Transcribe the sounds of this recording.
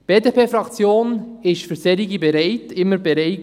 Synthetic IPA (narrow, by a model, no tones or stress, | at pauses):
b̥eːdepʰeːfɾɑkt͡sjoːn | ɪʃfʏɾsɛɾiɡibɛɾɛɪtɪmːəɾbɛɾɛɪt